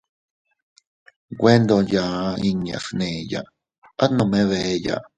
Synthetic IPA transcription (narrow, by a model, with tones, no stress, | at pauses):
ɡʷe˦nd̪o˧ja˨˧i˧ɲã̰˧˨snẽː˨ja̰˧˨ʔ | a˦nõ˧mẽ˧˦βe˧˨˧ja̰˨ʔ